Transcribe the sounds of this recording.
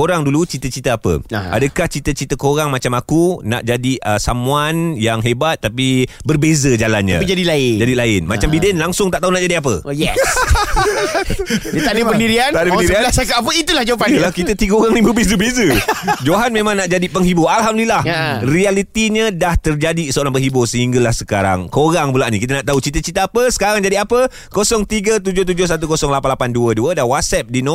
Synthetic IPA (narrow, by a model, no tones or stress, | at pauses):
koɾaŋdulut͡ʃit̪ət͡ʃit̪əapə̰ʔa̰dəkaht͡ʃit̪ət͡ʃit̪əkoɾaŋmat͡ʃamakuna̰ʔd͡ʒadiəsamũanjaŋɦebat̪̚ːapibərbezəd͡ʒala̰nɲa̰pd͡ʒadilaɪd͡ʒadilaɪnma̰t͡ʃambidɪnlaŋsʊŋt̪aʔt̪aunaʔd͡ʒadiap̬ə̰jɛs | diadəpəniɾiant̪adəəniɾialasakaap̬əit̪ulahd͡ʒawapalahkit̪ət̪iɡəoɾaŋnĩbərbezəbezəd͡ʒoɦanmẽmãŋnaʔd͡ʒadipəŋɦibuʔalɦamdəlilahrialit̪iɲə̃daht̪ərd͡ʒadisəoɾaŋpəŋɦibusəɦiŋɡalahsəka̰ɾa̰ŋkoɾaŋbulaʔnḭkit̪̬ənaʔt̪aɦut͡ʃit̪ət͡ʃit̪aapəsə̥kaɾaŋd͡ʒadiapə | kosɔŋt̪iɡət̪ud͡ʒʊht̪ud͡ʒʊhsat̪̬ukosɔŋlapanlapanduəduədawat̪̚sɛp̚dinõ